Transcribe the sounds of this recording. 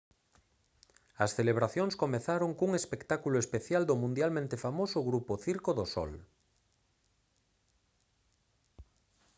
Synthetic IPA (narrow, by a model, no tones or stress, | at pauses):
ɐsθeleβ̞ɾaθjoŋskomeθaɾoŋkuŋespekt̪akuloespeθjald̪ʊmũnd̪jalmẽnt̪efamosʊɣɾupoθiɾkoðosɔ̰l